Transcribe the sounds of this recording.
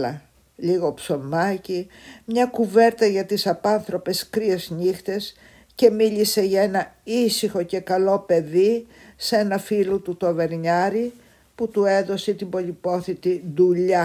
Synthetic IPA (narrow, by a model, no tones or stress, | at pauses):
ɐ | liɣo̞pso̞mɐcimɲɐkuve̞ɾt̪ɐʝɐt̪isɐpɐnθɾo̞pe̞skɾie̞zɲixt̪e̞s | ce̞miʎise̞ʝɐe̞nɐisixo̞cekɐlo̞pe̞ði | se̞nɐfilut̪ut̪o̞ve̞ɾɲɐɾi | put̪ue̞ðo̞set̪imbo̞lipo̞θit̪iðuʎɐ